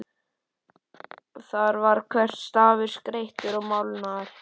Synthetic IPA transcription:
θaɾvaɾ̥kʰvɛr̥t̪st̪aːvɪɾ̥skɾejht̪ɪɾɔɣmawlnaɾ̥

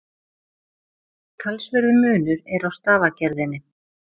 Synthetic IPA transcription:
t̪ʰalsvɛɾðʏmʏːnʏɾɛɾawst̪aːvacɛɾðɪnːɪ

